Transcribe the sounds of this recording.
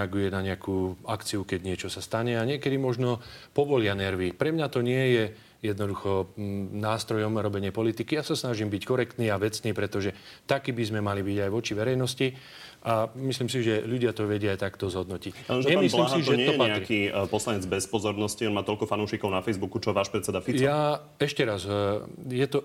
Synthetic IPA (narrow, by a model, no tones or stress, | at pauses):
ɛaɡujɛnaɲɪakuːakt͡siukɛɟɲɪɛt͡ʃɔsast̪aɲɛaɲɪɛkɛd̪imɔʒnɔpɔʋɔlɪanɛɾʋipɾɛmɲat̪ɔɲɪɛjɛ | jɛd̪nɔd̪uxɔnaːst̪ɾɔjɔmɾɔbɛɲɪɛpɔlit̪ikijasasnaʒimbickɔɾɛkt̪niːaʋɛt͡sniːpɾɛt̪ɔʒɛt̪akiːbizmɛmalibiɟajʋɔt͡ʃiʋɛɾɛjnɔsci | ʔamisliːmsiʒɛʎuɟɪat̪ɔʋɛɟɪaajt̪akt̪ɔzɦɔd̪nɔcicaɛɛmislimiʒɛɛɔjɛpaɛaɾikipɔslaɲɛd͡zbɛspɔzɔɾnɔsciɔnmaːt̪ɔʎkɔfanɔʊʃikɔʊnafɛjzbukut͡ʃɔʋaːʃpɾɛt̪t͡sːɛd̪afit͡sja | ɛʃcɛɾazjɛt̪ɔ